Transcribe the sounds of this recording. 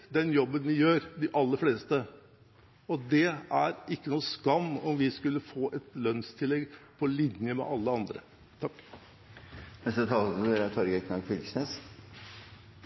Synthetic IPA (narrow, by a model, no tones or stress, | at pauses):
d̪ɛnjɔbːənʋɪjøːɾd̪ɪʔɑlːəɾfleːst̪ə | ɔd̪ɛæɾɪkːənuːskɑnːɔmʋɪskʉlːəfoːʔɛt̪lœnst̪ʰɪlːɛɡpʰɔlɪnjəmɛ̰ʔɑlːəɑnd̪ɾə̰ | t̪ʰɑkː | nɛst̪ət̪ʰɑːeɾæt̪ʰɔɾɡəkʰnɑɡfʏlsnes